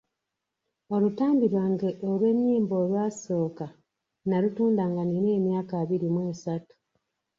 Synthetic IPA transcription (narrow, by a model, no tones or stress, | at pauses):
o̞lutaːmbiɾwaːŋɡeʔolwe̞ɲːiːmbo̞lwaːso̞ːka | nalutuːndaːŋɡanineːmjaːkaːβiɾimwe̞ːsatu̥